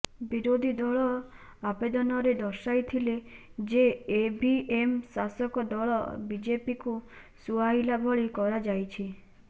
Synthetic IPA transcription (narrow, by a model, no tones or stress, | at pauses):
biɾod̪ʱid̪ɔɭɔ | abed̪ɔnɔɾed̪ɔɾʃajt̪ʰiled͡ʒeːbiemsasɔkɔd̪ɔɭɔ̰bid͡ʒepiku | suaɦilabʱɔɭikɔɾad͡ʒajt͡ʃʰi